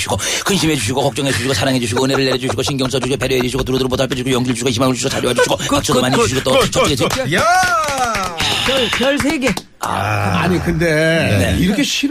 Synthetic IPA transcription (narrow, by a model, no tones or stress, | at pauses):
ɕʰiɡokɯnɕʰimɦe̞d͡ʑuɕʰiɡokʌk̚t͡ɕ͈ʌŋɦed͡ʑuɕʰiɡot͡ɕʰaɾaŋɦed͡ʑuɕ̬ʰiɡoɯne̞ɾɯɭːeɾjʌd͡ʑuɕʰiɡoɕʰinɡjʌŋs̬͈ʰʌd͡ʑuɕiɡope̞ɾjoɦed͡ʑuɕʰiɡotuɾʌduɾobotaɭp͈ʰjed͡ʑuɕiɡojʌŋɡiɾɯɭd͡ʑuɕʰiɡoiɕ̬ʰimaŋɯɭd͡ʑuɕʰiɡot͡ɕaɾjoɦad͡ʑuɕʰiɡokak̚t͡ɕʰʌd̪omaɲid͡ʑuɕ̬ʰiɡot͈ot͡ɕʌɡesea | pjʌɭpjʌɭsʰeɡe̞ | a̰a̰ɲikɯndene̞̰iɾʌkʰeɕʰi